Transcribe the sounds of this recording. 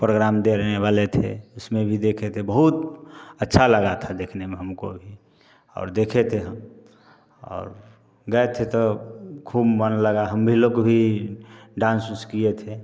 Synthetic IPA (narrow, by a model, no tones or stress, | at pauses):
pɾoɡɾamd̪eɾeneʋalet̪ʰḛʊsmẽbʱid̪ekʰet̪ʰebəɦut̪ətːʃʰaləɡat̪ʰad̪eːkʰnemẽɦəmko̰bʱi | ɔ̰ːɾd̪ekʰet̪ʰeɦəm | ɔ̰ːɾ | ɡəet̪ʰet̪ɔkʰuːbmənləɡaɦəmbʱilokbʱi | ɖãːnsʊskiet̪ʰe